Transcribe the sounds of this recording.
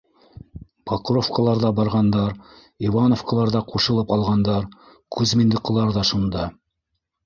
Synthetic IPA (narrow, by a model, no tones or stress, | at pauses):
pɑqrofkɑlˠɑɾðɑbɑɾʁɑnd̪ɑɾ | ivɑnofkɑlˠɑɾðɑquʃɤ̆lˠɤpɑlˠʁɑnd̪ɑɾ | kʰʉzmɘ̆nd̪ɘ̆qːɤ̆lˠɑɾðɑʃund̪ɑ